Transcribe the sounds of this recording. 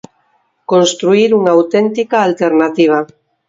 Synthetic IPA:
kõnst̪ɾuiɾuŋaːwt̪ent̪ikaːlt̪eɾnat̪iβ̞a

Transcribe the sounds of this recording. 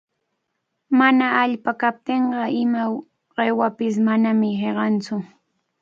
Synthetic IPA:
manaːʎpakap̚t̪eɴɢɑɪma | ɢewapɪsmanamɪheɢɑnt͡sʊ

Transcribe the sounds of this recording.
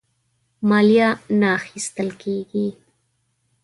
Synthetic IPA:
maljanaxɪst̪alkeːɡi

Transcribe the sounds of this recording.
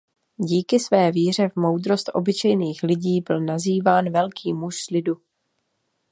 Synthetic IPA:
ɟiːkɪsvɛːviːr̝ɛvmo̞wd̪ɾo̞st̪ʔo̞̰bɪt͡ʃɛjniːxlɪɟiːbɪlnaziːvaːnvɛlkʰiːmuʃslɪdu

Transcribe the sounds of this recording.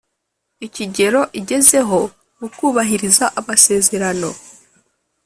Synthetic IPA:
iciɟe̞ɾo̞ʔiɟe̞ze̞ɦo̞ | ukuːβaɦiɾizaʔamase̞ːze̞ɾano̞

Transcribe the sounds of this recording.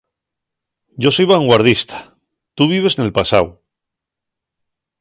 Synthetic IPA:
ɟ͡ʝo̞so̞jβaŋɡwaɾð̞ist̪ʰḁ | t̪uβ̞iβ̞e̞snelpasaw

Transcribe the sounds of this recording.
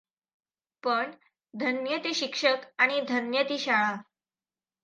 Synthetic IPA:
pəɳ | d̪ʱənjət̪iːɕikʂəkaɽ̃id̪ʱənjət̪iːɕaɭa

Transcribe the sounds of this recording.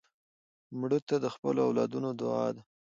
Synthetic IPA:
mɽət̪ad̪əxpəloawlɑd̪unod̪ʊɑ̰d̪a

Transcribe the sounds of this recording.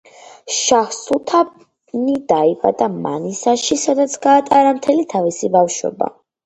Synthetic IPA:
ʃahsulˠt̪ʰap | nid̪aipʼa̰d̪ama̰nisaʃisad̪at̪sʰɡaːt̪ʼaɾamt̪ʰɛlit̪ʰavisibafʃɔ̰ba̰

